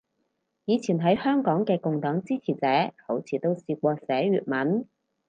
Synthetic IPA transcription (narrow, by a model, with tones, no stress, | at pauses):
jiː˨˧t͡sʰiː˨˩nɦɐ˨˥jhœː˥ŋkɔː˨˥ŋkɛː˧kʊ˨ŋt̪ɔː˨˥ŋt͡siː˥t͡sʰiː˨˩t͡sɛː˨˥ho˨˥wt͡sʰiː˨˩t̪o˥wsiː˧k̚ʷɔː˧sɛː˨˥ɥyː˨˧t̚mɐ˨˥n